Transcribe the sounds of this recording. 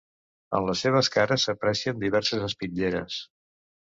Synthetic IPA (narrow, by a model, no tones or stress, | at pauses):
ə̰nləsːeβ̞əskaɾəsəpɾɛsiənd̪iβ̞ɛɾsəzəspiʎeɾə̰s